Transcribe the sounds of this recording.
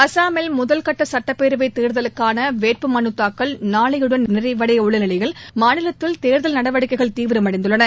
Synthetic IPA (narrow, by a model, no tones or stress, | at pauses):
ɐsaːmɛlmʊðɐlkɐʈːɐsɐʈːɐpːeːɾɯʋɐɪt̪eːɾðɐlɯkːaːnɐʋeːʈ̚pɯmɐnɯt̪ːaːkːɐlnaːɭɐjɯɽɐnnɪrɐɪʋɐɽɐjʊɭːɐnɪlɐɪɣɐlmaːnɪlɐt̪ːɪlt̪eːɾðɐlnɐɽɐʋɐɽɪkːɐɪɣɐɭt̪iːʋɪɾɯmɐɽɐɪnd̪ɯɭːɐnɐ